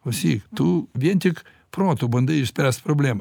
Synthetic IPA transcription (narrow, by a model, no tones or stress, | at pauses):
ʊsʲixt̪uʋʲenʲt̪ʲɪk | pɾot̪ubɐnd̪ɐiʃsʲpʲɾʲast̪pɾoblʲem